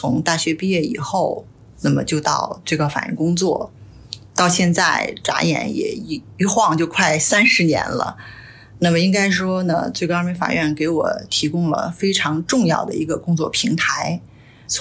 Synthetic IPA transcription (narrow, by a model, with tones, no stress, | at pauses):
ʊ˧˥ŋt̪a˥˩ɕɥɛ˧˥pi˥˧jɥɛ˥˩ḭ˨˩xo˥˩ʊ | na˥˩mə̰˩t͡ɕjo˥˧ʊt̪ɑ˥˧ʊt͡swe˥˩ɪkɑ˥ʊfa˨˩jɛ̰˥˩nkʊ˥ŋt͡swɔ̰˥˩ | t̪ɑ˥˧ʊɕjɛ˥˧nt͡sa˥˩ɪʈ͡ʂa̰˧˥jɛ̰˨˩˥njɛ̰˨˩˧ | y˧˥xwɑ˥˧ŋt͡ɕjo˥˧ʊkʰwa˥˩ɪsa˥nʂɻ̩˧˥njɛ̰˧˥nlə̰˧ | na˥˩mə˩i˥ŋka˥ɪʂwɔ˥nə̰˧t͡swe˥˩ɪkɑ˥mi˧˥fa̰˨˩ɥɛ˥˩nke˧˥ɪwɔ̰˨˩t̪ʰi˧˥kʊ˥ŋlə̰˩fe˥ɪʈ͡ʂʰɑ˧˥ŋʈ͡ʂʊ˥˧ŋjɑ̰˥˩ʊd̪ə˩i˧˥ɡə˧kʊ˥ŋt͡swɔ˥˩pʰi˧˥ŋt̪ʰa˧˥ɪ